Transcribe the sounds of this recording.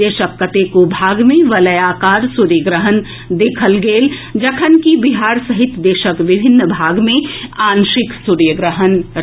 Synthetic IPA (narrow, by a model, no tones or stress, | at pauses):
eːʃəkːət̪ekobʱaːɡmẽʋɐləjaːkaːɾsʊɾjəɡɾəɦən | d̪ekʰəlɡeːld͡ʒɐkʰənkibɪɦaːɾsəɦɪt̪d̪eːʃəkʋɪbʱɪnːbʱaːɡmẽaːnʃɪksʊɾjəɡɾəɦən